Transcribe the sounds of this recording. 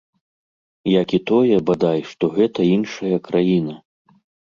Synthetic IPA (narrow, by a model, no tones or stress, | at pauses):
jakit̪ɔjɛbad̪ajʂt̪ɔɣɛt̪ɐinʂɐjɐkɾʔajinɐ